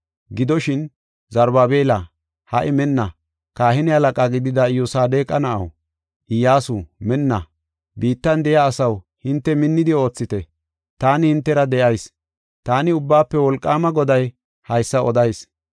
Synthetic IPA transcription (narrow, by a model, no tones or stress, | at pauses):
ɡɪd̪ɔʃɪn | zɐɾbaːbeːlɐ | hɐʔɪmɛnːɐ | kaːhɪnɪhɐlɐkʼaːɡɪd̪ɪd̪ɐɪjʊsaːd̪e̞ːkʼɐnɐʔɐ̰w | ʔɪjaːsumɛnːɐ | biːt̪ːɐnd̪ɛjaːsɐw | hɪnt̪ːɛmɪnːɪd̪ɪo̞ːt͡sːɪt̪ɛ | t̪aːnɪhɪnt̪ːɛɾɐd̪ɛʔɐjs | t̪aːnɪʊbːaːpːɛwɔlkʼːaːmɐɡɔd̪ɐj | hɐjsːɐɔd̪ɐjs